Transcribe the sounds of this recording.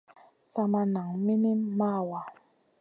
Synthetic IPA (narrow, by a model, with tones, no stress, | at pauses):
sa˧ma˧na˨˦ŋmi˦ni˦mːa˦˨wa˨